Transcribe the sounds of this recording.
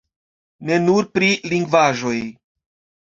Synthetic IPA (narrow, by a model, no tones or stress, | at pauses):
ne̞nuɾpɾiliŋɡvaʒo̞j